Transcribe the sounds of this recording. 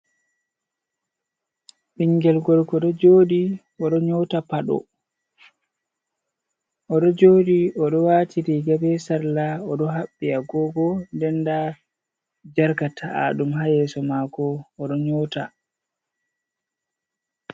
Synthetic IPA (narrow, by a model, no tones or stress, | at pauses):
ɓiŋɡɛlɡɔlkɔɗɔd͡ʒoːɗi | ɔɗɔɲɔtapaɗɔ̰ | ʔɔɗɔd͡ʒoːɗiʔɔɗɔwatʰiɾiɡabɛsaɾlaɔɗɔɦaɓːiaɡɔɡɔndɛnda | d͡ʒaɾkatʰaa̰ɗumɦajɛːsɔmaːkɔːɗɔɲɔːta